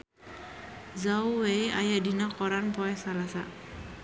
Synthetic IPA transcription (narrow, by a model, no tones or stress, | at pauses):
zawwejajadinakɔɾanpɔɛsalasa